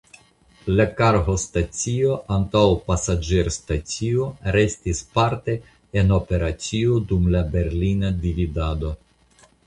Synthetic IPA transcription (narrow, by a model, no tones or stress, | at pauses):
lakaɾɦostat͡sio̞ʔantawpasad͡ʒeɾstat͡sio̞ɾe̞stispaɾte̞ | eno̞pe̞ɾat͡siodumlabe̞ɾlinadividado̞